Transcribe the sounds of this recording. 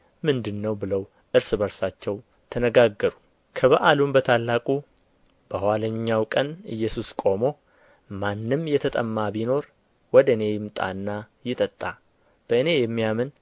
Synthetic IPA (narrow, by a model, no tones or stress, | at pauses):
mɨnd̪ɨnːəwbɨləw | ʔɨɾsɨbəɾsat͡ʃːɛw | t̪ʰənəɡaɡːəɾu | kʰəβəʔalumbət̪ʰalːakʼu | b̥əhaləɲːawkʼənɨ̰jːɛsuskʼo̞mo̞ | manːɨmjɛt̪ʰət̪ʼəmːabino̞ɾ | wɔd̪ɨne̞jɪmt̪ʼa̰nːa | jɪt̪ʼət̪ʼːa̰ | b̥əɨne̞jɛmːijamɨn